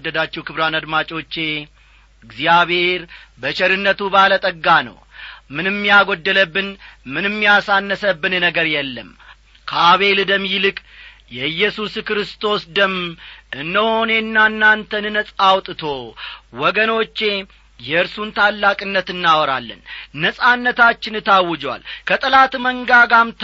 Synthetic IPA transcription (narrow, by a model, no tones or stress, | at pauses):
d̪ːəd̪at͡ʃːɛwkɨβɾanad̪mat͡ʃʼo̞t͡ʃːe̞ | ɡzijaβhe̞ɾ | bət͡ʃɛɾɨnːət̪ubalət̪ʼəɡːanə̰w | mɨnɨmːijaɡod̪ːələbːɨnmɨnɨmːijasanːəsəbːɨnnəɡəɾjɛlːəm | kʰəaaβe̞ld̪əmjlɨkʼ | jɛjːɛsuskɾɨst̪ʰo̞sd̪əmʔɨndəho̞ne̞nːanːant̪ʰənɨnəsʼawt̪ʼɨt̪ʰo̞wɔɡəno̞t͡ʃːe̞ | jɛɨɾsunt̪ʰalːakʼɨnːət̪ɨnːawɔɾa̰lːə̰nnəsʼanːət̪at͡ʃːɪnɨt̪ʰawːɨd͡ʒwa̰lkʰət̪ʼɨlat̪məŋɡaɡamt̪